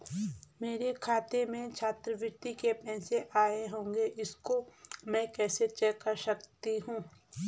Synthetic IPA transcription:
meːɾekʰaːt̪emẽt͡ʃʰaːt̪ɾəʋɪɾt̪ikepɛːseʔaːeɦõːŋɡeʔɪskomɛ̃kɛːset͡ʃɛːkəɾʃɐkt̪iɦũː

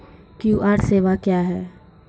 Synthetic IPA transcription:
kjuːʔaːɾseːʋakjaːɦɛː

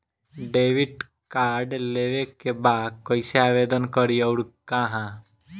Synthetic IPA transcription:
ɖeːʋɪɖ | kaːɾɖleːʋekebaːd̪̚kɔɪseaːʋeːd̪ənkəɾiɔːɾkãɦãː

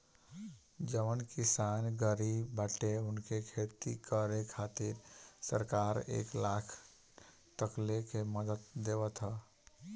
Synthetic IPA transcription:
d͡ʒəʋənkisanɡəɾibːəʈeʊnkʰekʰet̪ikəɾekʰat̪ɪɾsəɾkaɾḛːklakʰ | t̪əklekeməd̪ət̪d̪eʋət̪ɦə

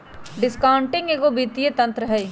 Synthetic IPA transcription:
ɖɪskaːʊɳʈɪ̃ŋɡeːɡobiːt̪ijet̪ɐ̃nt̪ɾəɦɛj

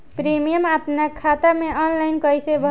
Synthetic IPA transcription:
pɾimijəmap̪nakʰːat̪əɾmeʔɔnlajnkəjsebʱə

